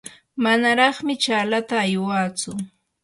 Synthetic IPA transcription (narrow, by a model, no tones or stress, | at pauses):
manaɾɑχmɪt͡ʃaːlat̪aːjwaːt͡sʊ